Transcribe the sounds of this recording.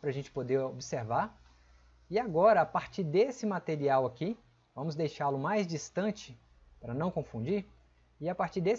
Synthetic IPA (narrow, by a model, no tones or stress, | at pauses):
pɾɐʒẽnt͡ʃɪ̥pod̪eɾobiseɾva | ɪaɡɔɾɐapaɾt͡ʃiɾd̪esɪmat̪eɾiawaki | vɐ̃mʊzd̪ejʃalʊmajzd͡ʒist̪ɐ̃t͡ʃɪ | pɾɐnɐ̃w̃kõfũd͡ʒiɾ | ɪapaɾt͡ʃiɾd̪es